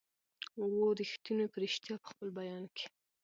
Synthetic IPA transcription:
woɾixt̪inopəɾɪʃt̪jɑpə̥xpəlbajɑnke̥

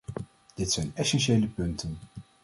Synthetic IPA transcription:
d̥ɪtsɛjnɛsɛnʃejləpɵntən

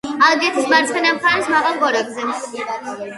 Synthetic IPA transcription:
alˠɡɛt̪ʰismaɾt̪sʰχɛnamkʰasmaʁalˠɡɔɾɛɡzɛ

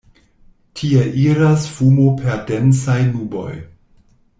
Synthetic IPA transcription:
tʰie̞ʔiɾasfumopʰe̞ɾdensajnubo̞̰j

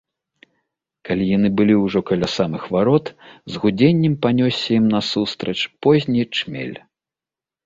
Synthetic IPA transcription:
kalʲijanɨbɨlʲiwʐɔkɐlʲasamɨxvaɾɔt̪zɣud͡zʲenʲːɛmpanʲɔsʲːɐjimnɐsust̪ɾɐt͡ʂpɔzʲnʲit͡ʂmʲḛlʲ

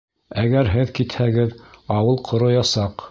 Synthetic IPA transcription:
æɡæɾɦɘðkit̪hæɡɘðɑwɤlˠqʰŏɾŏjɑsɑq

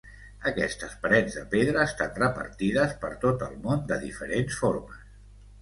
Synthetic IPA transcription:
əkɛst̪əspɾɛnzðəpeðɾəːst̪anrəpə̰ɾt̪iðəspəɾt̪ot̪əlˠmond̪əðifəɾensfoɾməs

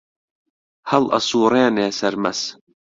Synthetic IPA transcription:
hɐlʔɐ̰suːɾeːneːsɐɾmɐs

